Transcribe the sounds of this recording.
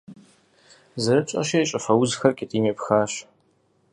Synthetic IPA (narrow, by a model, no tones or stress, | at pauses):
zɐɾɨt͡ʃʼɐ̰ʃejt͡ʃʼɐfɐwʊzxɐrkʲʼɪtʼiːmeːpxaːɕ